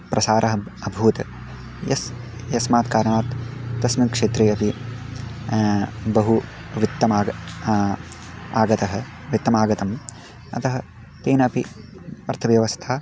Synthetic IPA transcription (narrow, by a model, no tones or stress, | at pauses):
pɾʔɐsaːɾʔɐɦɐɐbʱuːt̪ | jɐ̰s | jɐsmaːt̪kaːɾɐɳaːt̪ːɐsmikʂeːt̪ɾeːɐpi | bɐɦuʋit̪ːɐmaːɡ | a̰ːɡɐt̪ɐɦɐ̆ | ʋit̪ːɐmaːɡɐt̪ɐm | ɐt̪ɐɦɐ | t̪eːnɐpi | ɐɾt̪ʰɐʋjɐʋɐst̪ʰaː